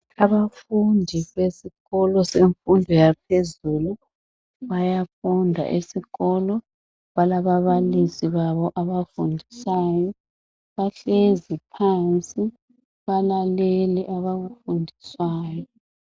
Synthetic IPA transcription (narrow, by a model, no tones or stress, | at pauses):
aβafundʱiβesiɣɔlɔseɱfundʱɔjapʰezulu | βajafundʱa̰ʔisiɣɔlɔ | βalaβaβalisiβaβɔʔaβafundʱisaːjɔ | βaɬezipʰant͡sʼi | βalaleliʔaβaɣufundʱiswaːjɔ